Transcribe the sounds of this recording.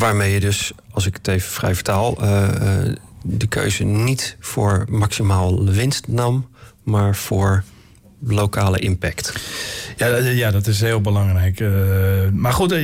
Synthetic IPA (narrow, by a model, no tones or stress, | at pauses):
ʋaːɹmejədøsɑlˠsɪkə̥tejvəfrɛ̰jvəɹtaːlˠ | dəkʰø̰ɥzənitfʊːɹmɑksimaːlˠəʋɪnstnɑmːaːɹv̥ʊːɹ | lowkaːlə̰ʔɪmpɛktjajadɔtɪs̬ɦɪːlˠbəlɑŋrɛjk | maɹχut